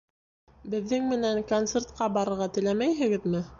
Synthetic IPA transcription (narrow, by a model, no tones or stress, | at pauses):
bɘ̆ðːɘŋmɘ̆næŋkont̪sert̪̚qɑbɑɾɤ̆ɾʁɑt̪ɘ̆læmæjɦɘ̆ɡɘðmɘ